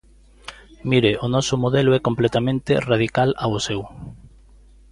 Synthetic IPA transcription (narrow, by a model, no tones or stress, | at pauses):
miɾeʔʊnɔsʊmoðɛlʊɛkomplɛt̪amẽnt̪ɪraðikalawsɛw